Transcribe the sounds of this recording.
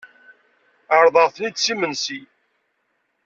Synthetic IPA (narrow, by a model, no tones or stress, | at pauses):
əɾˤðˤəʁθnid̪simənsi